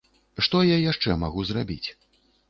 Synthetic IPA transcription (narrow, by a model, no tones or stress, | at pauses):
ʂt̪ɔjajaʂt͡ʂɛmaɣuzrabʲit͡sʲ